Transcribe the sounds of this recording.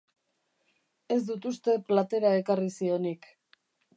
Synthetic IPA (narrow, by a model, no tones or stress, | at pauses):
e̞zd̪ut̪ust̪e̞plat̪e̞ɾae̞karisio̞nik